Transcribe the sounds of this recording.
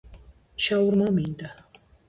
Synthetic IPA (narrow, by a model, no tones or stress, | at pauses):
ʃawɾmamɪnt̪a